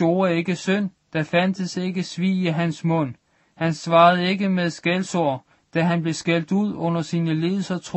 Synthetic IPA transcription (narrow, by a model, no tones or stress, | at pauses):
o̝ːɐe̝ɡ̥əsøn̰d̥æfænd̥əse̝ɡ̥əsʋḭːiɦænsmɔ̽n̰ | hænsʋɑ̈ːð̞̩ˠe̝ɡəmeðˠsɡ̥elsoɐ̰ | d̥æɦænb̥le̝sɡ̥el̰d̥uð̞̰ˠɔ̽n̰ɐsiːnəle̝ːð̩ˠsɐt͡sʰʁ